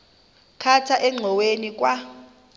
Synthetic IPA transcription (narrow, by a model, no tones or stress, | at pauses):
kʰatʰaʔɛŋ͡ǀʱɔwenik̬ʼwa